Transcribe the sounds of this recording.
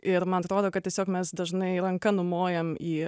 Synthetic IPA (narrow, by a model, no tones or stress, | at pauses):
ɪɾmɐnɐt̪ɾoːd̪oːkɐt̪̚ʲiɛsʲoːkmʲɛsd̪ɐʒnɐɪɾɐŋkɐnʊmoːjɛmiː